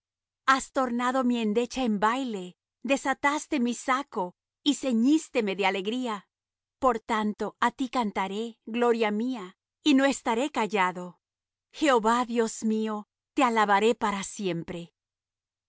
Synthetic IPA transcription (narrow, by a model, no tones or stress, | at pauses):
ast̪o̞ɾnaðo̞mie̞nd̪e̞t͡ʃae̞mbajle̞ | d̪e̞sat̪ast̪e̞misako̞ | ise̞ɲist̪e̞me̞ðeale̞ɣɾia | po̞ɾt̪ant̪o̞at̪ikant̪aɾe̞ɣlo̞ɾjamia | ino̞e̞st̪aɾe̞kaʝaðo̞ | xe̞oβaðjo̞zmio̞ | t̪e̞alaβaɾe̞paɾasje̞mpɾe̞